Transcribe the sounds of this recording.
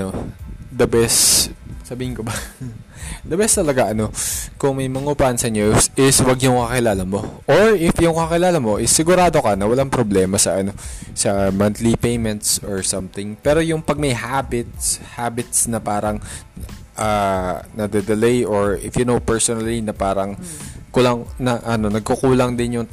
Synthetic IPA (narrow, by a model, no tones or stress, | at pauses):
ɐnod̪ɐbɛssɐbiːhɪnkobɐ | d̪ɐbɛst̪ɐlɐɡaʔɐno̞kʊŋmɐjmɐŋupaʔnsɐɲoʔɪswɐɡjʊŋkɐkɪlaːlɐmo̞ʔoɹʔɪfjʊŋkɐkɪlaːlɐmo̞ʔɪsːɪɡʊɾaːd̪o̞kɐnɐwɐlaŋpɾoblɛːmɐsɐʔɐno̞sɐmɐnt̪lipejmɛnt̪̚soɹsɐmt̪ɪŋpɛːɾo̞jʊŋpɐɡ̚mɐjɦabɪt̪̚shaːbɪt̪̚snɐpaːɾɐŋ | ʔaːnɐd̪ɛd̪ɛlɛjʔoɹʔɪfjʊnowpɛɹsonɐlinɐpaːɾɐŋkʊlaŋnɐʔɐno̞nɐɡ̚kokuːlɐŋd̪ɪnjʊŋ